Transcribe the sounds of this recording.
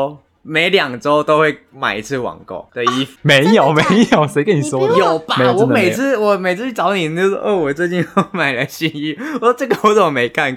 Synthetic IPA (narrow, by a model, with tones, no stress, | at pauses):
me˧˥ɪljɑ˨˩ŋʈ͡ʂo˦ʊt̪o˥ʊxwe˥˩ɪ | ma̰˨˩ɪi˧˥t͡sʰɹ̩˥˩wɑ̰˨˩ŋko̰˥˩ʊə˨˧i˥˩fme˨˧˦ɪjo˨˩ʊme˨˧˦ɪjo˨˩ʊse˧˥ɪkə˦ni˨˩swɔ˥djo˨˩ʊpam˧˦˥jwme˨˩ɪt͡sʰɹ̩˥˧wɔ˨˩me˨˩ɪt͡s̩ʰ˥t͡ɕʰy˥˩ʈ͡ʂɑ˧˥ʊni˨˩˨o˥˧ɔ˥˧ʔə˥˩wɔ˨˩t͡swe˥˧ɪt͡ɕi˥˧n˥˩ma˨˩ɪlə˦ɕi˥˧ŋy˥˩wɔ˨˩sɔ˥ʈ͡ʂə˥˩ɡə˧˨˥sə˥˩˨me˨˧˥ɪkʰa˥˧n